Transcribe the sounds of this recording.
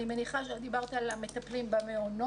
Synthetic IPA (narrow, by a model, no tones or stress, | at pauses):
imeniχaʃead̪ibaʁt̪aalamet̪ɐplimbameono